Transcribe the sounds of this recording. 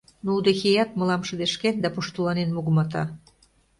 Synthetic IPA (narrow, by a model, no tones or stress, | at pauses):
noud̪exejɑt̪̚mɤ̆lɑmʃəd̪eʃkend̪ɑpuʃt̪ulɑnenmuɣmɑt̪ɑ̰